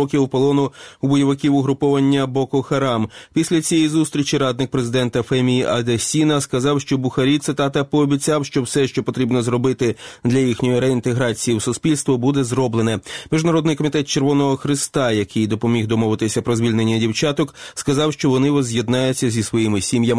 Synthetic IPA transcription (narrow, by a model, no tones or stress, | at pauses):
ɔkʲɪupɔlˠɔnʊubɔjɐʋɪkʲiwʊɦɾʊpɔʋɐnʲːɐbɔkɔxɐɾɑmpʲisʲlʲɐt͡sʲijɛjizust̪ɾʲit͡ʃiɾɑd̪nɪk̚pɾezɪd̪ɛnt̪ɐfɛmʲijiʔɐd̪ɐsʲinɐskɐzɑwʃt͡ʃɔbʊxɐɾʲit̪sɪt̪ɑt̪ɐpɔːbʲit͡sʲɑwʃt͡ʃɔwsɛʃt͡ʃɔpɔt̪ɾʲibnɔzɾɔbɪt̪ɪd̪lʲɐjixnʲɔjiɾeint̪eɦɾɑt͡sʲijiwsʊspʲilʲst̪ʋɔbud̪ɛzrɔblˠenɛmʲiʒnɐɾɔd̪nɪjkɔmʲit̪ɛt̪̚t͡ʃe̞rʋɔnɔɦɔxɾɪst̪ɑjɐkɪjd̪ɔpɔmʲiɣd̪ɔmɔʋɪt̪ɪsʲɐpɾɔzʋʲilʲne̞nʲːɐdʲiwt͡ʃɑt̪ɔkskɐzɑwʃt͡ʃɔʋɔnɪʋɔzʲjed̪nɑjʊt͡sʲːɐzʲisʋɔjimɪsʲimjɐm